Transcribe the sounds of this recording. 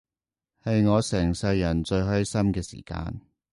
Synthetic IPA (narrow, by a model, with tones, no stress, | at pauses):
hɐ˨˧jŋɔː˨˧sɛː˨˩ŋsɐ˧jːɐ˨˩nt͡ʃɵ˧ɥɦœː˥ɥsɐ˥mkɛː˧sḭː˨˩ka̰ː˧n